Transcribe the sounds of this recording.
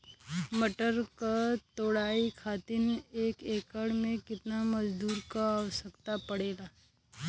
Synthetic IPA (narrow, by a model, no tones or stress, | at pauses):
məʈəɾkat̪oːɽaːikʰaːt̪ɪneːkeːkəɽmẽkɪt̪namɐd͡ʒd̪uːɾkaaːʋəsəkt̪apɐɽeːɡaː